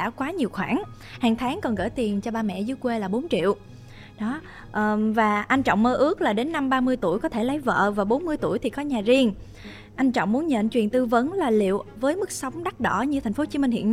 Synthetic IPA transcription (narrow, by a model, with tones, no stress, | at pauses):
a̰ː˧˥˩kwaː˨˦ɲi˨˩əwxwaː˧˩ŋ | haː˨˩ŋt̪ʰaː˨˦ŋkɔ˨˩nɣə̰ː˧˩jt̪i˨˩ənt͡ɕɔ˧ɓaː˧mɛ̰˧˨zɨ˧˦əjkwe˧laː˨˩ɓo˨˦nt͡ɕḭ˧˨əw | ɗɔ˨˦ | ʔːvaː˨˩ʔa˧jŋ̟t͡ɕɔ̰˧˨wŋ͡mməː˧ʔɨ˦˥ək̚laː˨˩ɗe˨˦nːa˧mɓaː˧mɨ˧əjt̪u˧˩əjkɔ˨˦t̪ʰe˧˩lə˨˦jvə̰ː˧˨vaː˨˩ɓo˨˦nmɨ˧əjt̪u˧˩əjt̪ʰi˨˩kɔ˨˦ɲaː˨˩zi˧əŋ | ʔa˧jŋ̟t͡ɕɔ̰˧˨wŋ͡mmu˨˦ənɲə̰˧˨nt͡ɕwi˨˩ənt̪ɨ˧və˨˦nlaː˨˩lḭ˧˨əwvəː˨˦jmɨ˦˥k̚sa˨˦wŋ͡mɗa˦˥t̚ɗɔ˧˩ɲɨ˧t̪ʰa˨˩ŋ̟fo˨˦t͡ɕi˨˦mï˧ŋ̟hḭ˧˨ən